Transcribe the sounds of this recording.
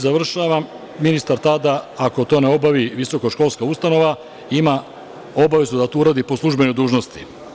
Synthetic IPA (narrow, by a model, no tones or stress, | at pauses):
zaʋr̩ʃaʋamː | inist̪aɾt̪ad̪aako̞t̪o̞ːneo̞baʋiʋiso̞koʃko̞lˠskaust̪ano̞ʋa | ima | o̞baʋe̞zud̪at̪uuɾaːd̪ipo̞slˠuʒbe̞ɲud̪uːʒno̞st̪i